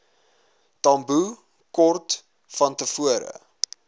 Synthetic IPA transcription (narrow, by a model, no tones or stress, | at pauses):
tɐmbu | kɔrt | fɐntəfuəɾə̰